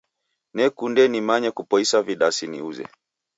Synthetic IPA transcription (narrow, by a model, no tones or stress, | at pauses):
nɛkundɛnimaɲɛkupɔisaviɗasinḭuzɛ̰